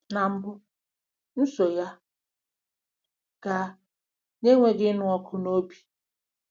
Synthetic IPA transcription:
na˨m̩˦bʊ˦ | n̩˦so˨ja˦ | ka˨ | ne˦ŋʷe˦ɡɪ˦nʊ˦ɔ˦kʰʊ˨no˦bi̥˨

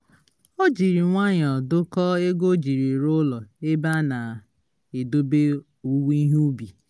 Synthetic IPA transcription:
o˦d͡ʒi˨ɾi˨ŋʷa˦ɲ˨ɔ˨dʊ˦kɔ˦e˦ɡo˦d͡ʒi˨ɾi˨ɾʊ˦lɔ˨e˦ba˦na˨ | e˨do˦be˦ | u˦wi˦ɦu˦bi˨

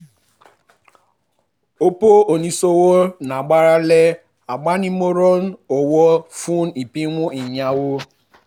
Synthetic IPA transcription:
o˦po˦o˨ni˦so˦wo˦na˨ɡ͡ba˦ɾa˦le˦ | a˨ɡ͡ba˦ni˦mo˦ɾo˦n˦o˨wɔ˦fu˦n̩˦i˨pi˦ŋʷʊ˦i˨ɲa˦wo˦

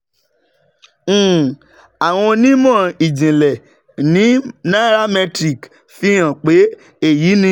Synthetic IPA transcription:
a˨w̃ɔ̃˧nĩ˦mɔ̃˦˨i˨d͡ʒĩ˨lɛ˨ | nĩ˨˦nã˦ɾa˦mɛ˧tɾi˦˨k | fi˦jã˦˨k͡pe˨˦ | e˦˨ji˨˦nĩ˧˦

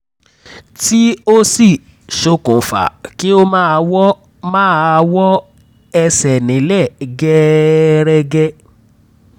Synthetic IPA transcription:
ti˦o˦si˦˨ | ʃo˧kũ˨fa̰˨ki˨˦o˦mã˦˧wɔ˦ | mãː˦˧wɔ˦ | ɛ˧sɛ˨nĩ˨˦lɛ˦˨ɡɛ˦ɾɛ˧ɡɛ˧

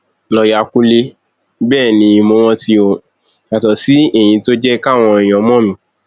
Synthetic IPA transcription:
lɔ˧ja˨kũ˧le˧ | bɛː˦˨nĩ˨˧mo˧w̃ɔ̃˧ti˧o˧˨ | a˨tɔ˨si˨˦e˦˨j̃ĩ˧to˦d͡ʒɛ˦ka˦˨w̃ɔ̃˧˨j̃ɔ̃˨˧˦mɔ̃˦mĩ˧˦

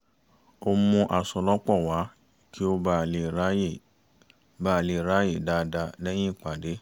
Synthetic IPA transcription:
o˧˦mũ˧ʔa˨sɔ˨lɔ˦k͡pɔ˦˨wa˨˦ | ki˦o˧ba˧˨˦je˨ | ba˦˨le˨ɾa˨˦je˦˨da˧da˧lɛ˦j̃ĩ˦˨k͡pa˨de˨˦

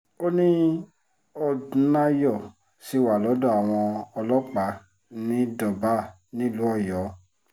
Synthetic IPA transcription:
o˦nĩ˦ | ɔ˧˨˦na˧jɔ˦˨ | si˨˦wa˨lɔ˨˦dɔ˦˨a˨w̃ɔ̃˧ɔ˧lɔ˦k͡pa˨˦ | nĩ˦dɔ˨ba˨˦ | nĩ˦˨lu˨˦ɔ˦˨jɔ˨˦

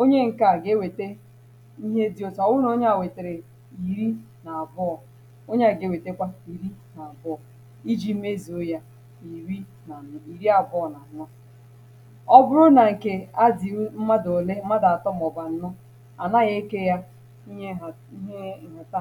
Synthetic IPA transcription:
o˦ɲe˦ŋ̩˨ka˨ɡe˦˨we˨te˦ | i˦ɦe˦di˦o˨twʊ˦no˦ɲe˦a˨we˨te˨ɾe˨ | i˨ɾi˦ | na˨a˨bʊ˦ɔ˨ | o˦ɲe˦a˨ɡe˦˨we˨te˦kʷa˦i˨ɾi˦na˨a˨bʊ˦ɔ˨ | i˦d͡ʒi˦m˦e˦zi˨o˦ja˦ | i˨ɾi˦˨ | i˨ɾi˦a˨bʊ˦ɔ˨na˨nʊ˦ | ɔ˦bʊ˦ɾʊ˦na˨ŋ̩˨ke˨a˦di˨˦m̩˦ma˦do˨le˦m̩˦ma˦da˨tɔ˦m˨ɔ˨ba˨n̩˦nʊ˦ | a̰˨na˦ɣe˦ke˦ja˦ | i˦˨˦ | e˦˨ɦa˨ta˦

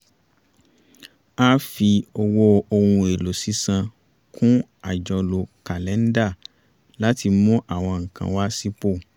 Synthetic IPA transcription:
a˦fi˧o˧wo˦o˧hũ˧e˨lo˨si˨˦sã˧ | kʰũ˦a˦˨d͡ʒɔ˧lo˨ka˨lɛ˨˦n̩˦da˦˨ | la˦ti˧mũ˦ʔa˦˨w̃ɔ̃˧ŋ̩˨kã̰˨˧wa˦si˦k͡po˦˨

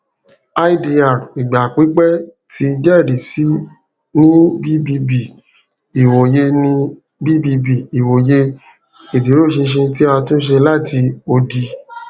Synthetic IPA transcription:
a˦i˦di˧a˨ɾi˨ɡ͡ba˨k͡pi˨˦k͡pɛ˦ | tʰi˧d͡ʒɛ˦˨di˨si˨˦ | nĩ˦bi˦bi˧bi˨ | i˨wo˨je˧nĩ˧ | bi˦bi˧bi˨i˨wo˨je˧ | e˨di˨˦ɾo˦˨ʃĩ˧ʃ̬ĩ˧t̬i˦a˦˧tũ˦ʃ̬e˧la˦˨tʰi˧o˧di˧

